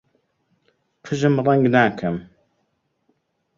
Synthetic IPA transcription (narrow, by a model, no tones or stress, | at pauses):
qʰəʒəmɾˤɑŋɡnaːkʰəm